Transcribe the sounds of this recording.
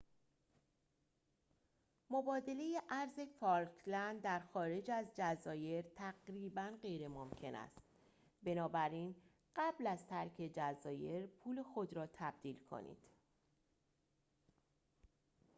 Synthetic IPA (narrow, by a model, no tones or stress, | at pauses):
mo̞bɒːd̪e̞le̞jeʔæɾze̞fɒɾkʰlænd̪d̪æɾxɒːɾe̞d͡ʒæzd͡ʒæzɒːje̞ɾt̪ʰæɡɾiːbænɢe̞jɾe̞momcʰe̞næ̰st̪ | be̞nɒːbæɾiːn | ɢ̥æblæzt̪ʰæɾkʰe̞d͡ʒæzɒːje̞ɾpʰuːle̞xo̞d̪ɾɒːt̪ʰæb̚d̪̥iːlkʰo̰nḭːd̪̥